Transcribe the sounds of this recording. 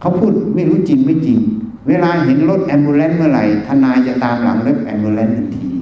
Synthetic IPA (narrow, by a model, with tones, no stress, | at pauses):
kʰa˦˥wpʰuː˥˩t̪̚ma˥˩jɾuː˦˥t͡ɕi˨ŋma˧˩t͡ɕi˨˩ŋ | weː˧laː˧ɦe˩˦nlo˦˥t̪̚ʔɛː˧nbuː˧lɛː˦˥nmɯ˦˥˩ɐ˨ɾa̰˨˩jt̪ʰaː˧˩naː˧jt͡ɕa˨˧˩t̪aː˧mla̰˩˦ŋle˦˥p̪̚ʔɛ̰˧nbuː˧lɛː˦˥nʔe˧nt̪ʰiː˧